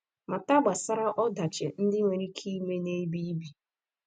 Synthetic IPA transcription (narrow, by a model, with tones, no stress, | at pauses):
ma˨ta˦ɡ͡ba˨sa˦ɾa˦ʔɔ˦da˨t͡ʃḛ˨n̩˦dɪ˦ŋʷe˨ɾi˦kʰi˦me˦ne˦bi˦bi˨